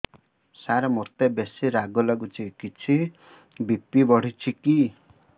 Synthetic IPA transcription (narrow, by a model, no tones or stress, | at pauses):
saɾamurt̪ebesiɾaɡolaɡut͡sʰikit͡sʰi | bʱipːibʌɽ̤ʱit͡sʰiki